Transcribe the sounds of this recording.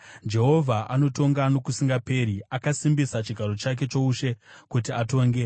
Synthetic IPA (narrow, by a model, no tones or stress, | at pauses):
d͡ʒe̞ɦo̞vʱaʔano̞to̞ŋɡano̞kusiŋɡape̞ɾiakasimbisat͡ʃiɡʱaɾo̞t͡ʃak̬e̞t͡ʃo̞uʃe̞kut̬iato̞ːŋɡe